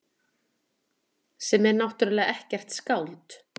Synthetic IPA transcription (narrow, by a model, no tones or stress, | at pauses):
sɛmɛɾnawht̪ʏɾalɛːɣaɛhcɛr̥t̪skawlt̪